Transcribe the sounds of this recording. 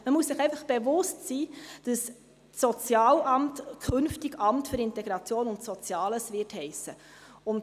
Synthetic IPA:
məmuəsɪχɛɪfəχb̥evʊstsiːd̥əs | sɔt͡sjɑːlɑmtkʰɵnftiɡɑmtfʏɾɪntɛɡɾɑt͡sjoːnʊntsɔt͡sjɑːləsʋɪthɛɪsə | ʊnd

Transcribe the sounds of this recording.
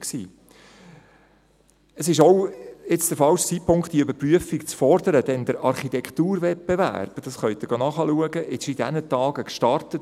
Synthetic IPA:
ksḭː | əsɪʃɔwɪt͡sd̪̥əɾfɑlʃt͡sit̚pʰʊŋkχtd̥iəøbəɾpryəfikt͡sfɔɾd̥̪əɾəd̥ɛnd̪əɾɑɾχitɛkʰt̪uːɾvɛp̚bevæ̰ɾb̥d̥ɑsχœʏt̪ɪɡonɑːχɑluəɡəʔɪʃid̥æ̰nətɑːɡəkʃtɑrtət

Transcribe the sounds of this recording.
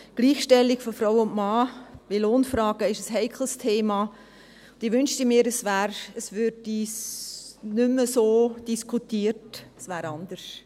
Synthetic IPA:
ɡ̥liːxʃtɛliɡfɔfɾaʊwʊntmɑːʋiloːnfɾɑːɡəɪʃəshɛɪkʰl̩stʰeːmɑː | ʊd̥ɪʋʏnʃtimiːəɾəsvæːɾəsvʏɾdi | nʏməsoːd̥iskʰutiːəɾtəsvæːɾɑnd̥̪əʃ

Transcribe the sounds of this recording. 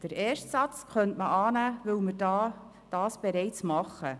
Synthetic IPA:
d̥əɾeːʃtsɑt͡skʰœntməʔɑːnæːvɵlmɪɾdɑː | d̥ɑːsb̥eɾɛɪt͡smɑχːə

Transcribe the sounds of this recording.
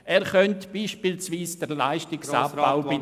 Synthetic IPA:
ɛːɾχœntb̥iːʃpilsʋiːsd̥əɾlaɪʃtɪksaːpːaʊbɪ

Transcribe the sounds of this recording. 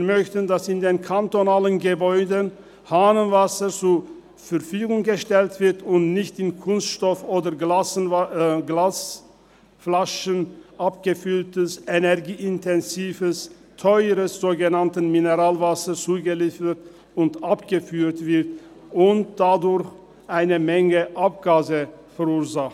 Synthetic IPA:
mœçtəndasɪndeːnkʰantonaːlənɡəbɔʏdən | haːnənvasɐt͡suɐ | fɛɐfyːɡʊŋɡəʃtɛltv̥ɪɐtʊntnɪçtɪnkʰʊnstʃtɔfoːdɐ | ɡlaːs | flaʃənʔap̚ɡ̥əfʏltəsenɛʁɡiːɪntʰɛnziːvəs | tʰɔʏʁəsz̥oːɡənantnminəʁaːlvasɐt͡suːɡəliːfət | ʊntʔapɡ̥əfyːtv̥ɪɐt | ʔʊnt̚d̥adʊɐç | ʔaɪnəmɛŋəʔap̚ɡ̥aːzəfɛʁuːɐzaχt

